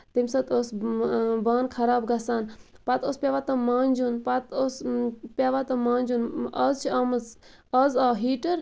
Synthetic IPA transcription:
t̪imʲsɐt̪osbaːnkʰɐɾaːbɡɐsaːnpɐt̪oːspʲjaʋaːt̪ɐmaːnʲd͡ʒunpɐt̪ospʲaːʋat̪ɐmãːnʲd͡ʒunɐzt͡ʃʰiaːmɐz | ɐzaːɦiːʈəɾ

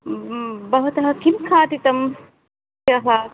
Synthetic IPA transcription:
bɐʋɐt̪ɐɦɐkinkʰaːʈit̪ɐm | ɐɦɐ

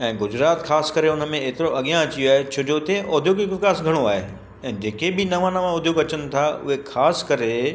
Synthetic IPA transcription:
ɛ̃ːɡʊd͡ʑɾaːt̪xaːskɐəɾeʊnəmẽeːt̪ɪɾoʔɐɠijãɐt͡ɕijoaːɦet͡ɕʰod͡ʑot̪ẽʔʊːd̪ʱjoɡɪkɪkaːsɡʱɐɽ̃oaːɦe | ɛ̃ːd͡ʑeːkebɪnɐʋãːnamãʊd̪ʱjoːɡɐt͡ɕənɪ̆t̪ʰaʊ̰ɦexaːskɐɾe

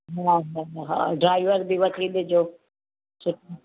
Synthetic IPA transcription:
ɦaɦaɦaɦã̰ɖɾaːɪʋəɾbʱiʋɐt̪ʰiɗ̪ɪd͡ʑoː | sʊʈʰː

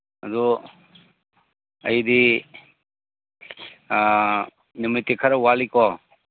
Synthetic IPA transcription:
ɐdu | ɐjdi | numitekʰaɾawalikɔ

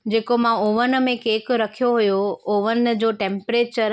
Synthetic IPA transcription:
d͡ʑeːkomãʊʋən̆mẽkeːkɾɐkʰijoɦujoʊʋən̆d͡ʑoːʈẽːmpɾeːt͡ɕəɾ

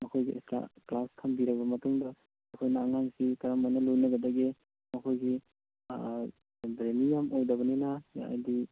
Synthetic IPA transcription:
mɐkʰojɡiʔḛsta̰klaskʰɐmbiɾɐbɐmɐtuŋdɐː | kʰojnɐːŋaŋsikɐɾamanɐlojnɐɡɐdɐɡe | mɐkʰojɡi | bɾemijamowdɐbɐninaja̰a̰jdi

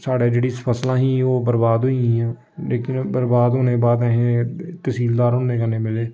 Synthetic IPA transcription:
saːɽeːd͡ʒeːɽiːspʰəslãːɦĩːoːbəɾbaːd̪ɦʊiɛ̃ː | leːkɪnbəɾbaːd̪ɦʊːneːbaːd̪ɛ̃ɦẽːt̪əsiːld̪aːɾɦʊːneːkəneːmɪleː

